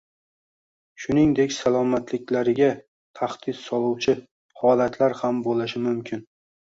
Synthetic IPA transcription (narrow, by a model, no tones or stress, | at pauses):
ʃʊnɪŋd̪e̞kʲsalˠɒmat̪lɪkʲlaɾɪɡʲa | t̪ʰaχd̪̥ɪt̪sɒlˠuwt͡ʃʰɪ | hɒlat̪ʰlaɾhambolɪʃɪmʊmkʲʰɪn